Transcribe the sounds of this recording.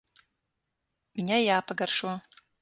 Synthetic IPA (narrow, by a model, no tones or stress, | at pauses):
minʲajaːpʰaɡarʂwa